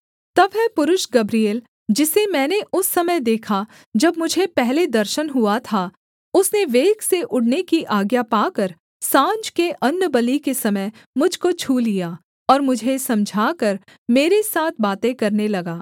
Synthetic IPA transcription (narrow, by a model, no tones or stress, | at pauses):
t̪ɐbɦɛpʊɾʊʃɡɐbɾieːl | d͡ʒɪsemɛ̃ːneʔʊsːɐməjd̪eːkʰa | d͡ʒɐbmʊd͡ʒʱepɛɦled̪ɐɾʃənɦʊat̪ʰa | ʊsneʋeːɡseʔʊɽnekiʔaːɡjapaːkɐɾ | sãːɲd͡ʒkeʔɐnːəbɐlikesɐməj | mʊd͡ʒʱkot͡ʃʰuːlːijaː | ɔːɾmʊd͡ʒʱesɐ̃md͡ʒʱaːkɐɾ | meːɾesaːt̪ʰbaːt̪ẽkɐɾnelɐɡaː